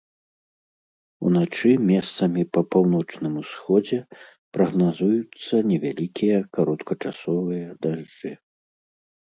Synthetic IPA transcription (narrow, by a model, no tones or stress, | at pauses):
ṵnat͡ʂɨmʲɛst̪sɐmʲipɐpawnɔt͡ʂnɨmusxɔd͡zʲɛ | pɾɐɣnazujut̪sːɐnʲɛvʲa̰lʲikʲijɐkaɾɔt̪kɐt͡ʂasɔvɨjɐd̪aʐd͡ʐɨ